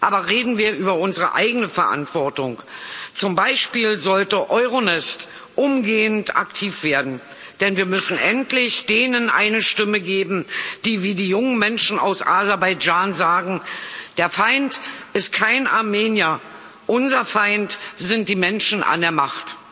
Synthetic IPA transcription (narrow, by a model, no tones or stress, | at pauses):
ʔaːbɐʁeːdn̩viːɐʔyːbɐʔʊnzəʁə̰ʔa̰ɪɡənəfɛɐʔa̰ntv̥ɔɐtʊŋt͡sʊmbaɪʃpiːlzɔltəʔɔʏʁonɪst | ʔʊmɡeːənta̰ktʰiːfv̥eːɐdn̩ | d̥ɛnviːɐmʏsn̩ʔɛntlɪçd̥eːnənʔa̰ɪnəʃtɪməɡeːbm̩d̥iːviːdiːjʊŋənmɛnʃn̩a̰ʊsʔa̰zɛɐbaɪd͡ʒaːnzaːɡŋ̩d̥eːɐfaɪntʔɪst̚kʰaɪnʔaɐmeːnja | ʔʊnzɐfaɪntz̥ɪnt̚d̥iːmɛnʃn̩ʔa̰ndeːɐmaχt